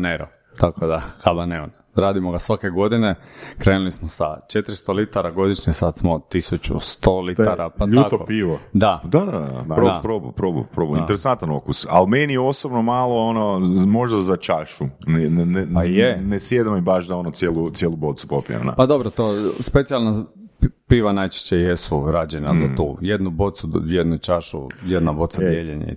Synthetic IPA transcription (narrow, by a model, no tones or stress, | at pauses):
neɾo | t̪akʰod̪axabaneon | ɾaːd̪imoɡasʋake̞ɡo̞d̪inekɾeːnulismosa̰t͡ʃet̪ɾist̪olit̪aɾaɡo̞d̪iʃɲesad̪smot̪isut͡ʃṵst̪oliaɾʔapaʎak̪oopiːʋod̪ad̪ad̪ada̰pɾopɾobṵpɾobṵpɾobuint̪eɾesant̪ano̰kusa̰lmenio̞sobnomaːlˠoonomoʒd̪azat͡ʃaʃunɛnnajenesjed̪amibaʃd̪aonosjelˠusjelˠubot̪supopḭa̰na̰pad̪o̞bɾot̪ospet̪sijalna | piːʋanajt͡ʃe̥ʃt͡ɕejesuɾaːd͡ʑena̰zat̪ṵːjed̪nubo̞t̪sujed̪nut͡ʃaʃṵjed̪nabo̞t̪sad̪jeʎeɲḛ